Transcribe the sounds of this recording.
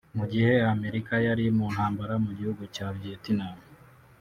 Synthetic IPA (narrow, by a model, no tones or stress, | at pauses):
muɟihe̞ame̞ɾikajaɾimuːn̥haːmbaɾamuɟihuɡucaβietinami